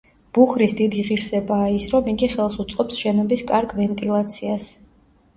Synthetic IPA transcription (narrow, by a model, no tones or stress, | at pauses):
b̥uχɾisd̪id̪iʁiɾsɛbaːisɾɔmiɡiχɛlˠsut̪sʼqʼɔpsʃɛnɔbiskʼaɾɡvɛnt̪ʼilˠat̪sʰias